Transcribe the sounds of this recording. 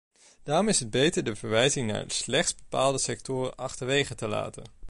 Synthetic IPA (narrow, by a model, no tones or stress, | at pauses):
d̥aːrɔmɪsɦəd̚bejtəɹdəvəɹʋɛjzɪŋna̰ːɹslɛχtsbəpaːlˠdəsɛk̚tʊːrə̰nʔɑχtəɹʋejχətəla̰ːtə̰n